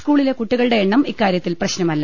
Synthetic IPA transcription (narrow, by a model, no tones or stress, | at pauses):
skuːɭile̞kuʈːiɣɐɭɨɽe̞ːɳːɐmikːaːɾjɐt̪ːilprɐɕnɐmɐlːɐ